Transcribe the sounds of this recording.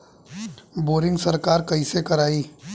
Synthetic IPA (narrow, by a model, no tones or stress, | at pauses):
boːɾɪ̃ŋɡsɐɾkaːɾkɐisekɐɾaːiː